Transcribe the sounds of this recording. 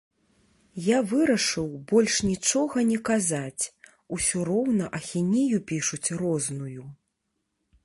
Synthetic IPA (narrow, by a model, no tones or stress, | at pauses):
javɨɾɐʂɨwbɔlʲʂnʲit͡ʂɔɣɐnʲɛkazat͡sʲ | usʲɔɾɔwnɐʔɐxʲinʲijupʲiʂut͡sʲrɔznuju